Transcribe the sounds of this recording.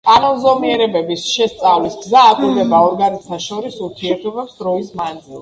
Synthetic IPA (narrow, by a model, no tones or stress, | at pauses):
kʼanɔnzɔmiɛɾɛbɛbisʃɛst̪sʼavlisɡzaːk̪ʼuɾd̪ɛbaɔɾɡanit̪ʰaʃɔɾisuɾt̪ʰiɛɾt̪ʰɔbɛpsd̪ɾɔismand̪zilˠ